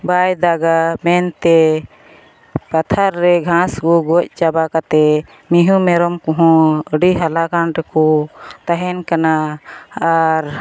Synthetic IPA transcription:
bajd̪aɡamɛnt̪ɛ | pat̪ʰaɾːɛɡʱãskɔɡɔc̚ˀt͡ʃabakat̪ɛ | miɦũmɛɾɔmkɔɦɔ̃əɖiɦalakanɾɛkɔt̪aɦɛnkana | aɾ

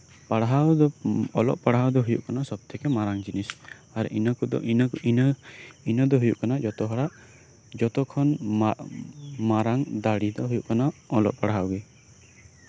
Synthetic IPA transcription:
paɽɦawd̪ɔɔlɔ̰ʔpaɽɦawd̪ɔɦujṵʔkanasɔb̚t̪ʰɛkɛmaɾaŋd͡ʒinisaɾʔinɔkud̪ɔin | inɔd̪ɔɦujṵʔkanad͡ʒɔt̪ɔɦɔɽaʔ | d͡ʒɔt̪ɔkʰɔn | maɾaŋd̪aɽid̪ɔɦujuʔkanaɔlɔ̰ʔpaɽɦawɡe

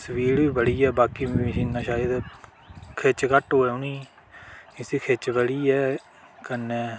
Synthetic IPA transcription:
səʋiːɽʋiːbəɽiːɛːbaːkiːʃiːnːãːʃaːəd̪ | kʰet͡ʃkəʈɦoːɛʊnĩː | ɪsiːkʰet͡ʃbəɽiːɛː | kəne

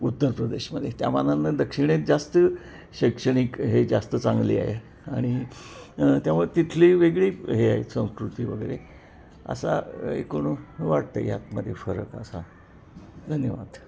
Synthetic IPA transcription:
ut̪ːəɾpɾəd̪eɕməd̪ʱjet̪jamananːad̪əkʂiɽ̃et̪̚d͡zast̪ə | ɕekʂəɽ̃ikɦed͡zast̪ət͡saŋɡlḭːa̰ɦe | aɽ̃i | t̪jamuɭt̪it̪ʰliːʋeɡɭiːɦeaɦesə̃w̃skɾut̪iːʋəɡəɾe | ə̰sa̰ḛkoɽ̃uʋaɽt̪ə̰ja̰t̪məd̪ʱjefəɾəkəsa | d̪ʱənjəʋa̰d̪̥

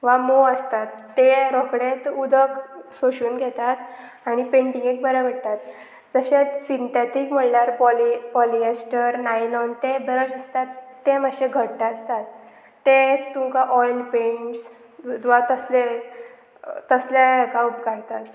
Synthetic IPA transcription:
ʋamoəst̪at̪ːeɾɔkɽet̪ud̪ʱəksoɕuːnɡʱet̪at̪ | aɽ̃ipeɳʈĩŋɡek̚bəɾəbəɽt̪at̪ | d͡zəɕet͡ssint̪et̪ikm̤əɽnaɾpɔlipɔliesʈəɾnajnɔnt̪ebəɾəd͡ʑəst̪at̪ːeməɕeɡʱəɽʈaəst̪at̪ː | et̪uŋkaʔɔjlpeɳʈs | ʋat̪əsle | t̪əslakaupkaɽt̪at̪

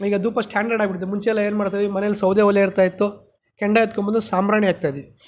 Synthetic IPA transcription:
iːɡɐd̪uːpɐsʈʰaːɳɖɐɾɖaːɡbiʈid̪umuɲt͡ʃɛɛlːɐe̞ːnmaːɽt̪ajd̪imɐnelusɐwd̪eʋɐlːeiɾt̪aːjit̪ːu | kɛɳɖaet̪̚kɔmbɐnd̪usaːmɾaːɳiaːɡ̚t̪aːjd̪e

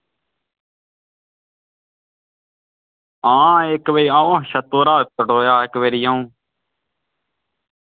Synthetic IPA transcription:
ãːeːkʋeiãːõːʃət̪oːɾaːkəʈoːjaːekʋeɾiːãːũː

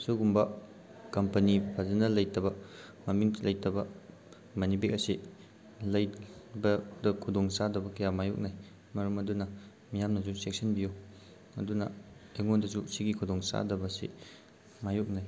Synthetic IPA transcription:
suɡumbɐ | kɐmpɐnipʰazɐnɐlɐjtɐbɐmɐmiŋlʔɐjtɐbɐ | mɐnipikɐsi | lɐjbɐdɐkʰudoŋsadɐbɐkɐjamajuk̚naj | mɐɾɐmɐdunɐ | mijamnɐzusek̚sɐnbijo | ɐdunɐeŋondɐsusiɡikʰudoŋsa̰dɐbɐsḭ | majuk̚naj

